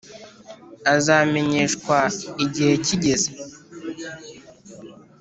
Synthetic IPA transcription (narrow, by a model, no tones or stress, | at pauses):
azaːme̞ɲeːʃkwaiɟihe̞ciɟe̞ze